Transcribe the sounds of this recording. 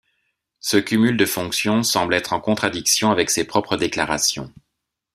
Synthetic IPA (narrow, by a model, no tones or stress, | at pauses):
səkʲymyld̪əfɔ̃ksjɔ̃sɑ̃blɛt̪χɑ̃kɔ̃t̪χad̪iksjɔ̃avɛksepχɔpχəd̪eklaʁasjɔ̰̃